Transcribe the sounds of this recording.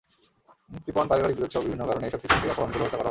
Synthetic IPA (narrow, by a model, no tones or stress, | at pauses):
muk̚t̪ipɔnpaɾibaɾibiɾod̪ʃɔbibʱinːokaɾoneeʃɔb̪ʰiʃueɔpoɾont̪oloɦot̪ekɔɾaɦ